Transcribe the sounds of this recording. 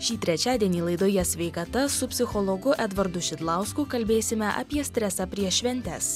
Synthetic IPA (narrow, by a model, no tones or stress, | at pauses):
ʃʲiːt̪ʲɾʲɛt͡ʃʲæːd̪ʲiɛnʲiːlˠɐɪd̪oːjɛsʲʋʲɛɪkɐt̪ɐsʊpʲsʲɪxɔlˠɔɡʊʔɛd̪ʋɐɾd̪ʊʃʲɪd̪lˠɑˑʊskuːkɐlʲbʲeːsʲɪmʲɛʔɐ̰pʲiɛsʲt̪ʲɾʲɛsɑpʲɾʲiɛʃʲʋʲɛnʲt̪ʲæ̰ːs